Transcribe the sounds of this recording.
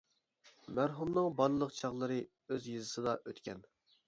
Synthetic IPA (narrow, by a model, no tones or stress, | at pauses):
mæɾɦumnɨŋbɑɾlˠɨlˠəqt͡ʃʰɑʁlˠɨɾɨ | øzjɨzɨsɨd̪ɑʔøt̪kʲɛn